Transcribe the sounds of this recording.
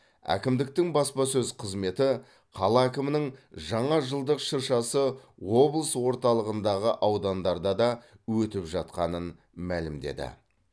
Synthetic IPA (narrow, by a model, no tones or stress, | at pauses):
æ̰kʲɪmd̪ɪk̚t̪ɪŋbɑspɑsɵzqʰəzme̞t̪ɪ | qʰɑlˠɑækʲɪmɪnɪŋʒɑɴɑʒəlˠd̪əqʃəɾʃɑsəwo̞blˠəswo̞ɾt̪ɑlˠəʁənd̪ɑʁəʔɑwd̪ɑnd̪ɑɾd̪ɑd̪ɑwɵt̪ɪpʒɑt̪̚qɑnən | mælɪmd̪e̞̰d̪ɪ̰